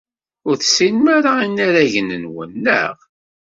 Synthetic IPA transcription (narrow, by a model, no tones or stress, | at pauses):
ʊɾθsinmaɾainːaɾæʝənənwə̰nːə̰ʁ